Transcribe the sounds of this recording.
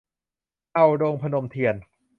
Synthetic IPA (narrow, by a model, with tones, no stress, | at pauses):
ʔa˧wdoː˧ŋpʰa˧no˧mt̪ʰi˧ən